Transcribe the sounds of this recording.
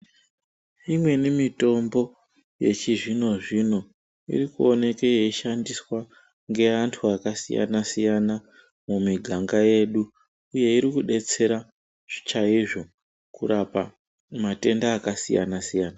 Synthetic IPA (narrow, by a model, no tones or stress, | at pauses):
imwe̞nimito̞mbo̞ | je̞̰t͡ʃiʐino̞ʐino̞ | ḭɾikuo̞ne̞kejeiʃandiswa | ŋɡe̞antʰuakasḭja̰nasijana | mumiɡʱaŋɡaje̞ɗu | uje̞iɾikuɗe̞t͡se̞ɾa | ʐt͡ʃaiʐo̞ | kuɾapa̰ | mate̞ndaːkasija̰nasijaːna